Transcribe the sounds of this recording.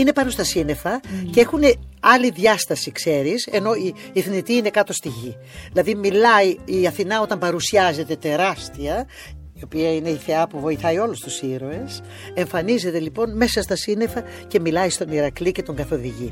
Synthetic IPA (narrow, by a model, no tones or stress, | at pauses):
ine̞pɐno̞st̪ɐsine̞fɐce̞xune̞ɐliðʝɐst̪ɐsikse̞ɾise̞no̞iː | θnit̪iine̞kɐt̪o̞st̪iʝi | ðilɐðimilɐiiɐθinɐo̞t̪ɐmbɐɾusiɐze̞t̪e̞t̪e̞ɾɐst̪iɐ | io̞piɐine̞iθe̞ɐpuvo̞iθɐio̞lust̪usiɾo̞e̞s | e̞ɱfɐnize̞t̪e̞lipo̞nme̞sɐst̪ɐsine̞fɐ | ce̞milɐist̪o̞niɾɐklice̞t̪o̞ŋɡɐθo̞ðiʝi